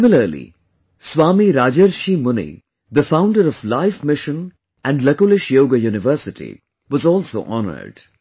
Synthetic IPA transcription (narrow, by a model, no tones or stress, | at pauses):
ɪmɪləɾlḭ | swaːmiɾaːd͡ʒəɾʃimʊnḭ | d̪əfãʊ̃ɳɖəɾɔflaɪfmɪʃə̃n | ʔæ̃ɳɖlɐkolɪʃjoːɡajuːnɪʋəːsɪʈḭ | ʋɔzɔːlso̰ːʔɔnə̰ɾɖ̥